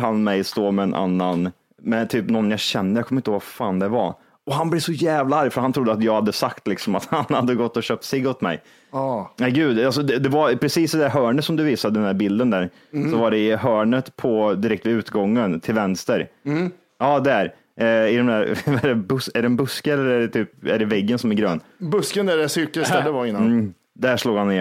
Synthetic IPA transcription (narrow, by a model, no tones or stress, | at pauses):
hanmɛjst̪oːmɛːnʔa̰nːan | mɛt̪ʰyːpnɔnːjaɕɛnːəjakʰɔmːɪnt̪əhvɡffaːnd̪ɛva | ɔɦanblɛvsɔjɛːvlaaɾjfœɾhant̪ʰɾʊd̪ːəat̪jɑːɡhad̪ːəsakt̪lɪksɔmat̪hanhad̪ːəɡɔt̪ːɔɕœːp̚t̪sɪɡɔt̪mɛ̰j | næɪɡʉ̟ːd̪als̬ɔd̪ɛd̪ɛvapʰɾɛsiːsɪd̪æɾɦœːɳət̪sɔmd̪ɵviːsad̪əd̪ɛnæːɾbɪld̪ənd̪æɾ | sɔvaɖɛɪɦœːɳət̪pʰɔd̪ɪɾɛkt̪vɪʉ̟ːt̪ɡɔŋːənt̪ʰɪlvɛnst̪əɾ | ɑːd̪æɾ | ɪd̪ɛmd̪æɾaɖɛbɵsɛɖɛnbɵskəɛlːəɾɛɖɛt̪ʰyːp̚ɛæɖɛvɛɡːənsɔmæɾɡɾøːnbɵskənd̪ædɛsʏɾkəst̪ɛlːəvaɪnː | d̪æʂluːɡhanːe